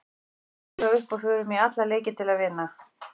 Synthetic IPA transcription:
aʏhpɔɣfʏːɾʏmiat̪laleːjcɪt̪ʰɪlaðvɪnːa

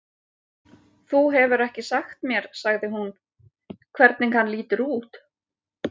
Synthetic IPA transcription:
θuɦɛvʏɾɛhcɪsaxt̪mjɛɾ̥saɣðɪɦun | kʰvɛɾt̪nɪnhanːliːt̪ʏɾuːt̪

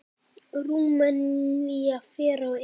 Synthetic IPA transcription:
ɾuŋmanɲijafeɾɔ

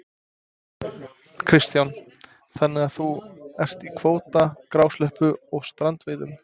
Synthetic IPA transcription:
kʰɾɪst̪jan | θɛnːɪɣaθuɛr̥t̪ikʰvoːwt̪akɾaːwslɛhpʏɔɣst̪ɾant̪veːðʏm

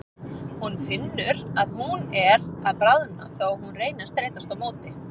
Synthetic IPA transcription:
hunfɪnːʏɾaðhunɛɾaðpɾaðna̰θowhunreːjnast̪ɾeːjt̪ast̪awmoːwt̪ɪ

